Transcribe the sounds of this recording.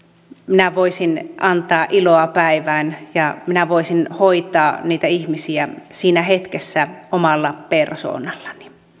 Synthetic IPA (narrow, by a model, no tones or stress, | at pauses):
minæʋoisinʔɑnt̪ɑːʔiloɑpæiʋæːnjɑminæʋoisinhoit̪ɑːniːt̪æihmisiæsiːnæhet̪kesːæomɑlːɑperso̰ːnɑlːɑni̥